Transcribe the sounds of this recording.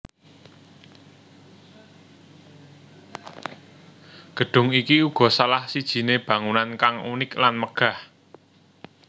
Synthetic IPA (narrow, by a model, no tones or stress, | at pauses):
ɡ̥ə̤ɖ̥ʊ̤ŋikiuɡ̥ɔ̤salahsid̥ʒ̥i̤neb̥ä̤ŋunankaŋṵnɪklanməɡ̥a̤h